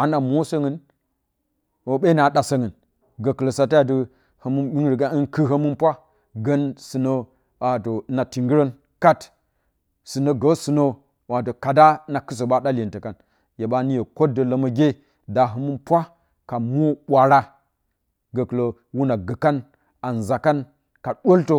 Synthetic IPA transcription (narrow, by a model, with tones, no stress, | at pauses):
a˨na˨mo˦so˦ŋɨ˨n | wo˨ɓe˦na˨ɗa˨sə˦ŋɨ˨n | ɡə˨kə˨lo˨sa˨ta˦a˨t̬ɨ˦ | hə˨mu˦ni˦nɾi˨ɡa˦i˦nkɨ˦ɦə˦mɨ˦npʷa˦ | ɡə˦nsɨ˨no˦ | wa˨to˨˦na˨ti˨ŋɡi˦ɾə˦n | ka˦t | sɨ˨no˦ɡo˨˦sɨ˨no˦ | wa˨to˨ka˨da˦na˨kɨ˦s̬o˨ɓa˦ɗa˦lʲe˨ntə˨ka˨n | je˨ɓa˦ni˦je˨ko˦də˨lə˦mɐ˦ɡʲe˦ | da˨ɦə˦mu˦pʷa˦ | ka˨mu˦ɓʷa˨ɾa˦ | ɡə˨kɨ˨lo˨ | wu˦na˨ɡə˨ka˦n | a˨n˨za˨ka˦n | ka˨ɗʷo˦lto˦